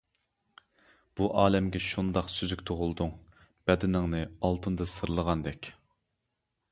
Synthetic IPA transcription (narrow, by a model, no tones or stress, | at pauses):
b̥uʔɑːlɛmɡʲɛʃund̪ɑqsyzykʲt̪ʰoʁʊlˠd̪uŋ | b̥ɛd̪ɪnɪŋnɨɑlˠt̪ʰɨnd̪ɨsɨɾlˠəʁɑnd̪ɛkʲ